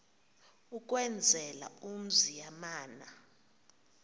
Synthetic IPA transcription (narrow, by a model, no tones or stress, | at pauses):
uk̬ʼwɛnd͡zʱɛla̰um̩zijamaːna